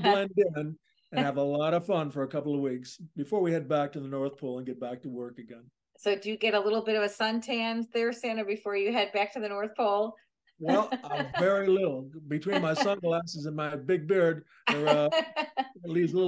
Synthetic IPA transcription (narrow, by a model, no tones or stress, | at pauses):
blɛ̃ndɪ̃n | ɨ̃nnɨvəlɔɾʌv̥fʌ̃nfə˞ɨkʰʌpl̩ˠʌvwiksb̥ɨfɔɹwiɨd̚bæk̚tʰɨðənɔɹθpʰoʊlˠə̃nɡɛt̚b̥æk̚təwɜ˞kɨɡɛ̃n | soʊdɨjɨɡɛɾəlɪɾl̩ˠbɪɾʌvɨsʌ̃ntʰæ̃nzðə˞sæ̃nɨbɨfɔɹjɨɦɛd̚bæk̚tʰɨðɨnɔɹθpʰoʊlˠ | wɛlˠãɪ̃ɱvɛɹilɪɾl̩ˠbɨtʰw̥ĩnmaɪsʌ̃nɡlæsɨzɨ̃nmaɪbɪɡ̚bɪɹd̚ | ə˞ʌ | livzlɪ